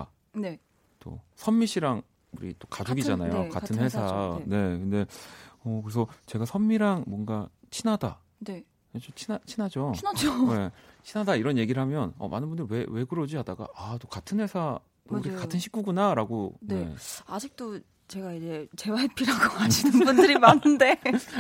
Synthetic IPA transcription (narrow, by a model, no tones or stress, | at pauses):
a̰ | ne̞ | t͈o̰sʰʌmːiɕʰiɾaŋ | uɾḭt͈o̥kad͡ʑuɡid͡ʑanajokatʰɯnhe̞sʰane̞kɯnde̞ʌkɯɾes̬ʰʌt͡ɕe̞ɡasʰʌmːiɾaŋmwʌnɡat͡ɕʰinɦada̰ | ne̞ | et͡ɕot͡ɕʰinat͡ɕʰinad͡ʑonad͡ʑone̞t͡ɕʰinɦadaiɾʌnje̞ɡiɾɯɭhamjʌnʌ̰ma̰nɯnbundɯɭwe̞we̞ɡɯɾʌd͡ʑiadaɡa̰atokatʰɯnwe̞sʰa | ɾiekatʰɯnɕʰi̥k͈ʰuɡunaɾaɡone̞ad͡ʑik̚t͈o | t͡ɕe̞ɡaid͡ʑe̞t͡ɕe̞waipʰiɾaɡoad͡ʑʰinɯnbundɯɾimanɯnde̞